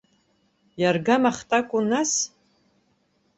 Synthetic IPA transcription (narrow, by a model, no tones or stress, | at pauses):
jarɡamaχtʼakʷʼʊnas